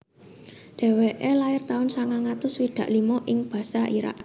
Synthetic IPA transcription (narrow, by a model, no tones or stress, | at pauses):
ɖ̪̥ɛ̤weʔelaɪrt̪aʊnsaŋaŋat̪ʊswid̪̥ä̤ʔlimoʔɪŋb̥ä̤saʔiɾa̰ʔ